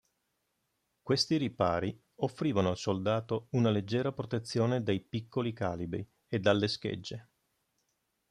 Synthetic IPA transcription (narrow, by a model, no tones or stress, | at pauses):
kwest̪iɾipaːɾi | ofːɾiːvanoalsold̪aːt̪ounaled͡ʒːɛːɾapɾot̪et̪sːjoːned̪ejpikʰːolika̰ːlibɾi | ed̪ːalːeskḛd͡ʒːe